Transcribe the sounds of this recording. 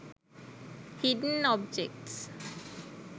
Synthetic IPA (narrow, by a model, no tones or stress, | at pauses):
hiɖn̩ɔb̚d͡ʒek̚ʈs